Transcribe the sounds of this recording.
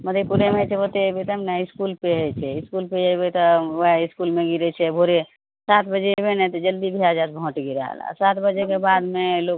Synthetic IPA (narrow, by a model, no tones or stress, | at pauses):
məd̪ʱepuɾemɦət͡ʃʰɛbot̪ebet̪əmnaiskulpeɦət͡ʃʰɛiskulpeəbet̪ɔɦeiskulmeɡiɾɛt͡ʃʰɛbʱoɾe | sat̪ʰbəd͡ʒebenɛt̪ɔd͡ʒəld̪ibʱiad͡ʒat̪̚bʱõʈɡiɾəɦə̰la̰sat̪bəd͡ʒekebad̪melok̚